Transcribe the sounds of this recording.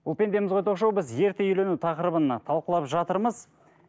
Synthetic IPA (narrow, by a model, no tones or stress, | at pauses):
ulˠpʲe̞nd̪e̞mɪzʁojt̪ʰoqʃowbɪzje̞ɾt̪eʏjle̞nut̪ʰɑqəɾəbənt̪ʰɑlˠqəlˠɑpʒɑt̪əɾməz